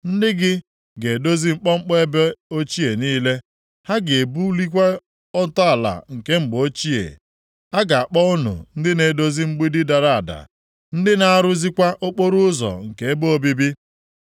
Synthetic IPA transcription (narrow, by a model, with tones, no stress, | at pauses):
n̩˦dɪ˦ɡɪ˦ | ɡe˨do˦zi˦ŋ͡m̩˦k͡pɔ˦ŋ͡m̩˦k͡pe˦e˦be˦o˦t͡ʃi˦e˨niː˦le˦ | ha˦ɡe˨bu˦li˦k̬ʷa˦ | ɔ˦tɔ˦a˨la̰˨ŋ̩˨ke˦ŋ͡m̩˨ɡ͡bo˦t͡ʃi˦ḛ˨ | a˦ɡa˨a˨k͡pɔ˦ʊ˦nʊ̰˨n̩˦dɪ˦ne˨do˦zi˦ŋ͡m̩˦ɡ͡bi˦dɪ˦da˨ɾa˦˨a˨da̰˨ | n̩˦dɪ˦na˦a˦ɾʊ˦zi˦kʷa˦ʔo˦k͡po˦ɾu˦ʊ˦zɔ̰˨ŋ̩˨ke˨e˦bo˦o˦bi˦bi˦